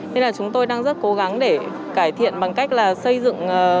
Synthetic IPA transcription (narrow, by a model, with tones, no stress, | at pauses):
ne˧nlaː˨˩t͡ɕʊ˨˦ŋ͡mt̪o˧jɗaː˧ŋzə˦˥t̚ko˨˦ɣa˨˦ŋɗe˧˩ | kaː˧˩jt̪ʰḭ˧˨ənɓa˨˩ŋka˦˥jk̟̚laː˨˩sə˧jzɨ̰˧˨ŋː˨˩